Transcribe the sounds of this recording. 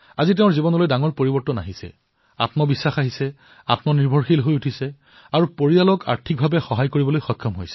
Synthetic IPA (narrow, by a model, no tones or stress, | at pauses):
azit̬eʊɹzibɔnɔlojdaŋɔɹpoɹibɔɹtɔna̰ɦisɛ̰ | a̰tmɔbisːaxaɦisɛ | a̰tmɔniɹbʱɔɹxilɦojutʰisɛ | aɹupoɹialɔkʰa̰ɹtʰik̚bʱabɛxɔɦajkoɹibɔlojxɔkʰːɔmɦojsɛ̥